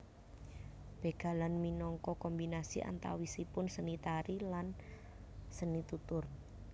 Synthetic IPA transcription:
b̥e̤ɡ̥a̤lanminɔŋkɔkɔmbinasiʔa̰nt̪a̰wisipʊnsənit̪aɾilan | sənit̪ut̪ʊr

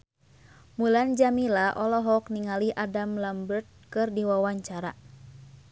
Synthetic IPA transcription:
muland͡ʒamilaʔɔlɔɦɔk̚niŋaliʔadamlambərt̪̚kɨrdiwawaɲt͡ʃaɾa

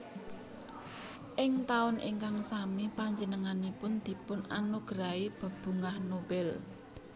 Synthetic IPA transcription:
ʔɪŋt̪aʊnʔḭŋkaŋsamipaɲd͡ʒənəŋanipʊnd̪̥i̤pʊna̰nuɡ̥ɾaib̥ə̤b̥ṳŋahnob̥ɛl

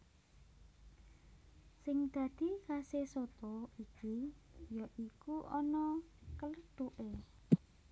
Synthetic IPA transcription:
sɪŋd̪̥ä̤d̪̥i̤kasesɔt̪ɔikijɔʔikuʔɔnɔkələɖ̪̥oʔe

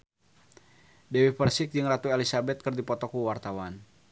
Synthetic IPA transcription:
dɛwipərsɪk̚d͡ʒɨŋrat̪uelisabɛt̪̚kɨrdipɔt̪ɔkuwart̪awan

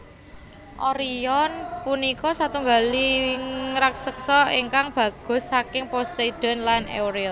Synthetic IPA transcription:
ʔɔɾiɔnpunikɔsat̪uŋɡali | ɾaksəksɔeŋkaŋb̥ä̤ɡ̥ɔ̤sːakɪŋpɔst̪ed̥ɔ̤nlanḛwɾil

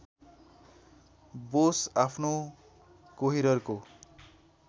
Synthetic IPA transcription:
bosapʰno | koɦiɾʌrko

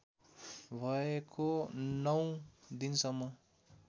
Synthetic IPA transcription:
bʱʌekonʌwd̪insʌmːʌ

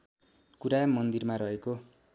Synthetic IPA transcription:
kuɾamʌnd̪irmaɾʌɦeko

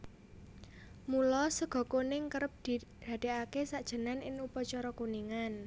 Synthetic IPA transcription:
mulɔsəɡ̥ɔ̤konɪŋkəɾəp̚d̪̥id̥a̤d̪̥e̤akesaʔd̥ʒ̥ə̤nanɪŋupɔt͡ʃɔɾɔkuniŋan

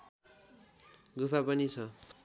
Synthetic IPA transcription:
ɡupʰapʌnit͡sʰʌ

